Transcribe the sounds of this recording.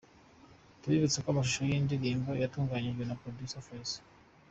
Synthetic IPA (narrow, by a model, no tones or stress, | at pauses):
tuβiβut͡sekamaʃ̬uʃojindiɾiːŋɡo̞jatuːŋɡaɲiʒɡwe̞napɾodisofes